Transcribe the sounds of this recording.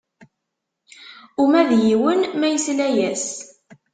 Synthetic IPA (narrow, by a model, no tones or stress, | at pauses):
umæðjiwənmæjəslæjæs